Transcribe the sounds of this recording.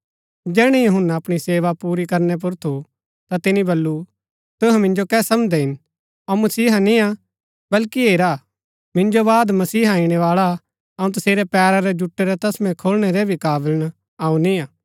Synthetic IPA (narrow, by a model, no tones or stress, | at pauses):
d͡ʒɛːɽ̃ɛjɐɦʊnːaɐpɽ̃iseːʋapuːɾikɐɾnɛp̬ʊɾt̪ʰu | t̪at̪ɪnibɐlːu | t̪ʊɦɛ̃mɪ̃nd͡ʒokɛːsɐmd̪ɛɦɪn | ɐmɐsiːɦanĩa | bɐlkieːɾa | mɪ̃nd͡ʒobaːd̪mɐsiːɦãːɪɽ̃ɛʋaːɭa | ɐũt̪ɐseːɾɛpɛːɾaɾɛd͡ʒʊʈːeɾɛt̪ɐsmɛ̃kʰoːlɽ̃eɾɛbʱikaːbəln | aːũnĩaː